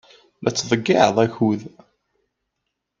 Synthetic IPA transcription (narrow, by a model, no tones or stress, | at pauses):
lʔæt͡sːðˤəɡːeʕðˤæçuð